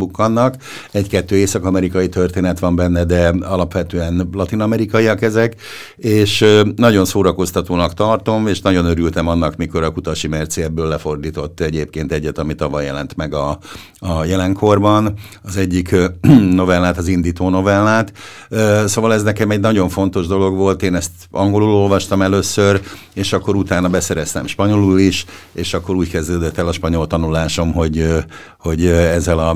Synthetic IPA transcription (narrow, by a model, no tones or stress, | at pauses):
bukːɒnːɒk | ɛɟkɛt̪ːøːeːsɒkɒmɛɾikɒjit̪ørt̪eːnɛt̪ʋɒmbɛnːɛd̪ɛɒlɒpʋɛt̪øːɛnlɒt̪inɒmɛɾikɒjijɒkɛzɛk | eːʃnɒɟo̞nsoːɾɒko̞st̪ɒt̪oːnɒkt̪ɒrt̪o̞meːʃnɒɟo̞nøɾylt̪ɛmɒnːɒkmiko̞ɾɒkut̪ɒʃimɛrt̪seɛbːøːlːɛfo̞rd̪iːt̪o̞t̪ːɛɟeːpkeːnt̪ɛɟːɛt̪ɒmit̪ɒvɒjːɛlɛnt̪mɛɡɒ | ɒjɛlɛŋkʰo̞rbɒn | ɒzɛɟːikno̞vɛlːaːt̪ɒzind̪iːt̪oːno̞vɛlːaːt̪ː | soːvɒlɛznɛkɛmɛɟnɒɟo̞ɱfo̞nt̪o̞ʒd̪o̞lo̞ɡʋo̞lt̪eːnɛst̪ | ɒ̰ŋɡo̞lulo̞lvɒʃt̪ɒmɛløːsːør | eːʃɒkːo̞ɾut̪aːnɒbɛsɛɾɛst̪ɛ̰mʃpɒɲo̞luliʃ | eːʃɒkːo̞ɾuːckɛzd̪øːd̪ɛt̪ːɛlɒʃpɒɲo̞lt̪ɒnulaːʃo̞mɦo̞ɟ | ho̞ɟɛzːɛlɒ